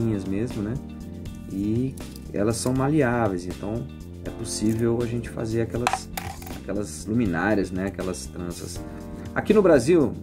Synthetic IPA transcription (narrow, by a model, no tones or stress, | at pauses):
ĩɲɐzmezmʊnɛ | ɪ | ɛ̰lɐsːɐ̃w̃maliavejzẽnt̪ɐ̃w̃ | ɛposivewaʒẽnt͡ʃɪ̥fa̰zeɾakɛlɐs | akɛlɐzlumĩnaɾiɐznɛakɛlɐst̪ɾɐ̃sɐ̰s | akinʊbɾaziw